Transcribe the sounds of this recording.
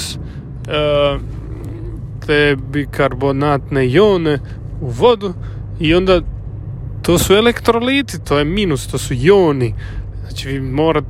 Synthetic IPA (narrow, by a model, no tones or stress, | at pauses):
s | t̪ʰebikʰaɾbonat̪nejoːne | uʋod̪u | iond̪a | t̪oːsuelekt̪ɾoliːt̪it̪ʰoːjemiːnust̪oːsujoːni | aːt͡ʃiʋiːmoːɾat̪